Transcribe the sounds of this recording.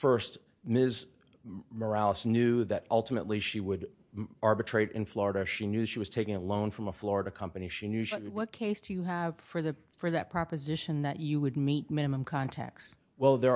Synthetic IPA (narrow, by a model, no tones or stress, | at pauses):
fɜ˞st̚ | mɪz | mə˞ælˠəsnjʉðɨɾʌlˠtəməʔˡliʃiwəɾ | ɑɹbɨtʰɹ̥eɪɾɨ̰̃nflɔɹəɾɨʃinjʉðɨtʃiwʌz̥tʰeɪkɪ̃ŋəlõʊ̃nfɹʌ̃məflɔɹəɾɨkʰʌ̃mpɨniʃinjʉʃiwʌt̚kʰeɪsd̥ɨjɨəv̥fə˞ðɨ | fə˞ðɨt̚pʰɹ̥ɑpɨzɪʃɨ̃nðɨ̰t͡ʃɨwɨd̚mit̚mɪ̃ñɨmə̃mkʰɑ̃ntʰæ̰ks | wɛlˠðə˞